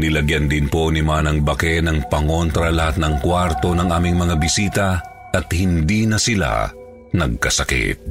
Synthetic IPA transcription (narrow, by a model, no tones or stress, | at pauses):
nɪlɐɡjɐnd̪ɪnpo̞nɪmanɐŋbɐkɛnɐŋpɐŋo̞nt̪ɾɐlɐhat̪̚nɐŋkwaɾt̪o̞nɐŋʔaːmɪŋmɐŋabɪsiːt̪ɐ | ʔɐt̪hɪnd̪inɐsɪla̰ | nɐɡ̚kɐsɐkḭt̪̚